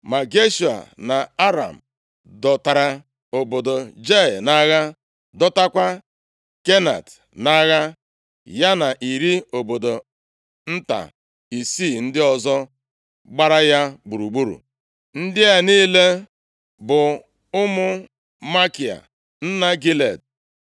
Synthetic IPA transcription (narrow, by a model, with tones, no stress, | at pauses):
ma˨ɡe˦ʃu˨a̰˨na˨a˦ɾa̰˨m̩˨ | dɔ˨ta˨ɾa˨ | o˨bo˨do˨d͡ʒe˦˨na˦ɣa˦ | dɔ˦ta˦kʷa˦ | ke˦na̰˨t | na˦ɣa˦ | ja˦na˨ʔi˨ɾi˦o˨bo˨do˨ | n̩˦ta̰˨ | i˨si˦˨n̩˦dɪ˦ɔ˨zɔ˦ | ɡ͡ba˦ɾa˦ja˦ɡ͡bu˨ɾu˨ɡ͡bu˦ɾṵ˨ | n̩˦dɪ˦a˨niː˦le˦ | bʊ˨ | ʊ˦mʊ˦ | ma˦ki˨a̰˨ | n̩˦na˦ɡi˦le˨d̚